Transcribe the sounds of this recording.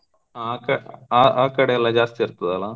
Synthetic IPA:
aːkɐaːʔaːkːɐɽɐjɛlːãːd͡ʒaːst̪iɪɾɯt̪ːɐðɐlãː

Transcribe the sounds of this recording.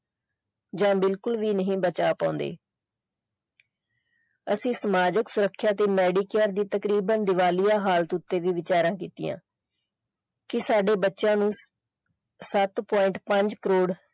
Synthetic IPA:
d͡ʒãːbɪlkʊlʋiːnəɦĩːbət͡ʃaːpã̰ːʊ̃nd̪ḛː | əsĩːsəmaːd͡ʒəksʊɾəkʰːjaːt̪eːmɛːɖiːkɛːɾd̪iːt̪əkɾiːbənd̪ɪʋaːlijaːɦaːlt̪ʊt̪ːeːʋiːʋɪt͡ʃaːɾãːkiːt̪ḭjã̰ː | kɪsaːɖeːbətːʃãːnũː | sət̪pɔːɪ̃ɳʈpəɲd͡ʒkəɾoːɽ

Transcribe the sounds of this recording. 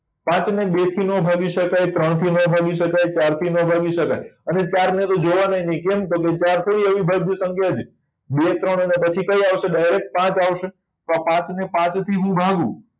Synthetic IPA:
pãt͡ʃneɓet̪ʰinobʱaɡiʃəkajt̪ɾəɳ̃t̪ʰinõbʱaɡiʃəkajt͡ʃaɾt̪ʰinəbʱaɡiʃəka̰jənet͡ʃaɾnet̪od͡ʒoʋanəɦinəĩkemt̪ok̬et͡ʃaɾt̪ʰəɾiəʋibʱad̪jəsə̃ŋkʰjad͡ʒ | bet̪ɾəɳ̃nepət͡ʃʰikəiaʋʃeɖajɾek̚ʈ̚pãt͡ʃaʋʃe | t̪apãt͡ʃnepãt͡ʃt̪ʰiɦũbʱaɡṵ̃

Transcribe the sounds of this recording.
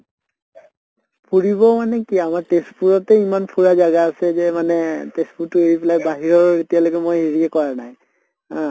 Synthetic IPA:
pʰuɹiβɔmanɛkiamaɹtespuɹɔtɛimanpʰuɹazaɡaːsɛzɛmanɛtespuɹtʊeɹipilak̚baɦiɹɔɹetijalokɛmojeɹiɛkɔɹanaj | ɦã

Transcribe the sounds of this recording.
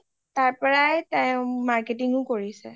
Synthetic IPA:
taɹpɔɹajtajmaɹketiŋʊkoɹisɛ̰

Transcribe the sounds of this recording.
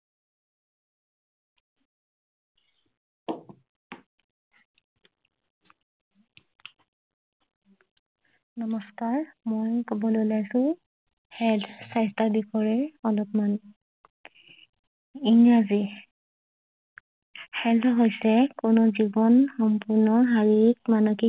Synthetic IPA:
nɔmɔskaɹmojkɔbɔlolajsʊ̃ | hɛltʰsajstadikʰɔɹɛɹɔlɔpman | iŋɹazi | hɛltʰɔɦojsɛkʊnɔzibɔnxɔmpuɹnɔɦaɹik̚manɔki

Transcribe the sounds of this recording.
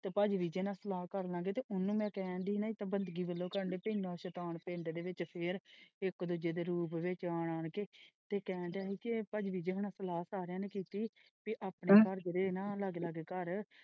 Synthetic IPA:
t̪eːpəd͡ʒʋiːd͡ʒeːnãːsəlaːkəɾnãːɡeːt̪eːʔʊnːũːmɛ̃ːkɛːɳɖiːnaːit̪ãːbənd̪ɡiːbəlːõːkəɾəɳɖeːpəinãːʃət̪aːnpẽːɳʈd̪eːʋɪt͡ʃpʰɪɾɪkd̪ud͡ʒeːd̪eːɾuːpʋɪt͡ʃaːɳaːɳkeːt̪eːkɛ̃ːɳɖaːɦiːkepəd͡ʒʋiːd͡ʒeːkənãːsəlaːsaːɾɪjãːneːkiːt̪iː | piʔaːpɳeːkəɾd͡ʒeɾeːnãːlaɡləɡkəɾ

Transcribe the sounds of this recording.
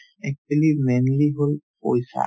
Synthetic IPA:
ɛk̚t͡ʃulimenliɦolpojsa̰

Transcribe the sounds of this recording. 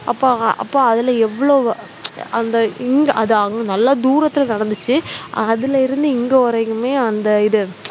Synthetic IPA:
ʔɐpːoːɐ̰pːoːɐðɪlɐɛʋːɐɭoː | ɐnd̪ɐɪŋɡɐʔɐðŋɡɐnɐlːaːd̪uːɾɐt̪ːɪlɐnɐɽɐnd̪ɯt͡ʃːɯɐðɪlɐɪɾɯnd̪ɯɪŋɡeɔɾɐkːɯmeːɐnd̪ɐɪðɯ

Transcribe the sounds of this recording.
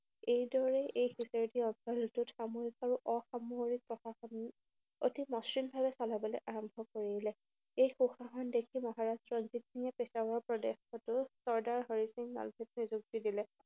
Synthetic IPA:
ejdɔɹɛʔejxiseɹtiɔnsɔltʊtxamoɹikaɹuʔɔxamoɹik̚pɹɔxaxɔn | o̰timɔsɹimbʱabɛsalabɔlɔjʔaɹɔmbʱɔkoɹilɛ | ejxuxaxɔndekʰimɔɦaɹastɹɔnzit̚niŋɛpesawɹɔpɹɔdexɔtʊsɔɹdaɹɦɔɹisiŋna̰lbʱɛt̚nizuk̚tidilɛ

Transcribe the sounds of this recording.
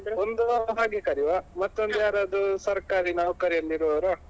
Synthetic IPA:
ond̪uɦaːɡekɐɾiʋamɐt̪ːond̪ujaːɾad̪usɐɾkaːɾinaːʋkɐɾijɐlːiɾoːɾɐ

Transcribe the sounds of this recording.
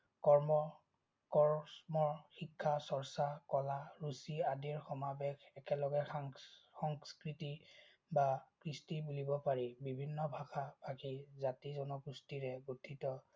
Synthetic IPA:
kɔɹmɔ | kɔɹsmɔɹxikʰːasɔɹsakɔlaɹusiadiɹxɔmabɛxɛkɛlɔɡɛ | xɔŋskɹiti | bakɹistibulibɔpaɹibibʱinːɔbʱaxab̥ʱakizatizɔnɔkustiɹɛɡutʰːitɔ

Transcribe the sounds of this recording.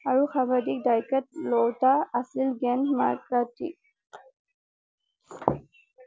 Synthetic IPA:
aɹuxabʱadik̚dajkɛt̚lɔwtaasilɡɛnma̰ɹkatḭ

